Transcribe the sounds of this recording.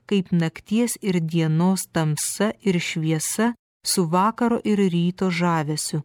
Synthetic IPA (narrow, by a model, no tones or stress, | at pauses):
kɐɪpnɐkt̪ʲiɛsɪɾd̪ʲiɛnoːst̪ɐmsɐʔɪɾʃʲʋʲiɛsɐ | sʊʋɑːkɐɾo̰ːʔɪɾɾʲiːt̪oːʒɑːʋʲɛsʲʊ